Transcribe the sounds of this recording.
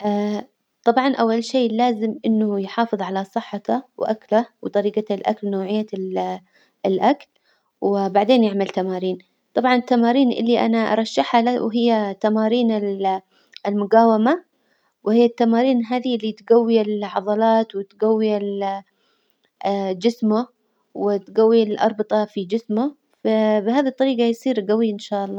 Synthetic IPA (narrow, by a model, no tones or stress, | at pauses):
ʔaː | t̪ˤɑbʕɑnʔawːalʃeːlaːzɪmʔɪnːʊjħɑːfɨðˤʕalasˤɨħːɑt̪awʔaklawt̪ˤɑɾiːɡalʔa̰klnoːʕɪjːa | ɪlʔakl | wbaʕd̪eːnjɪʕmalt̪amaːɾiːn | t̪ˤɑbʕɑnɪt̪ːamaːɾiːnʔɪ̰lːiʔa̰naʔɑ̰ɾˤɑʃːɪħalawɦɪjːat̪amaːɾiːnɪl | ɪlmʊɡaːwɪma | whɪjːat̪ːamaːɾiːnɦaːðiʔlːit̪ɡawːiɪlʕɑðˤɑlɑːt̪wɪt̪ɡawːiɪl | d͡ʒɪsmʊ | wɪt̪ɡawːiɪlʔɑ̰ɾˤbɨt̪ˤɑfid͡ʒɪsmʊ | fabɪhaːðit̪ˤːɑɾiːɡɑjsˤiːɾɡawiʔɪnʃaːʔɑlˤːɑː